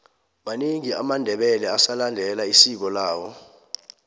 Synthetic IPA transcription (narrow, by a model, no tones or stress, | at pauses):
maniŋia̰mandʱɛɓɛlɛasalandʱɛlaisik̬ɔlaːwɔ